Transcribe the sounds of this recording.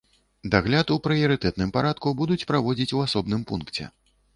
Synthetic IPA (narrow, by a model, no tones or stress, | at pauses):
d̪aɣlʲat̪upɾɨjɐɾɨt̪ɛt̪nɨmpaɾat̪kubud̪ut͡sʲpɾavɔd͡zʲit͡sʲuasɔbnɨmpunkt͡sʲɛ̰